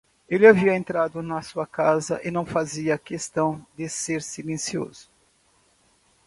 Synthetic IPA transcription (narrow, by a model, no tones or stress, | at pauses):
elɪaviɐẽnt̪ɾad̪ʊnɐsuɐkazɐ̰ʔɪnɐ̃w̃faziɐkest̪ɐ̃w̃d̪ɪseɾsilẽsio̰z̥ʊ̥